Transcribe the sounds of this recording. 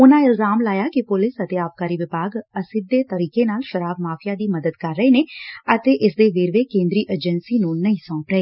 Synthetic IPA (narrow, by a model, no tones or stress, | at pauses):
ʊnãːɪlzaːmlaːjaːkɪpʊlɪsət̪eːaːp̚kaːɾiːʋɪbaːɡəsɪd̪ːeːt̪əɾiːkeːnaːlʃəɾaːbmaːfʰɪjaːd̪iːməd̪əd̪kəɾːəeːneːət̪eːʔɪsd̪eːʋeːɾʋeːkẽːnd̪ɾiːʔed͡ʒənsiːnũːnəĩːsɔ̃ːpɾəeː